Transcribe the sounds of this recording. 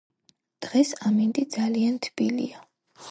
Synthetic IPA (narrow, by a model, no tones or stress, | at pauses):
d̪̥ʁɛsamind̪id̪z̥aliant̪ʰb̥ilḭa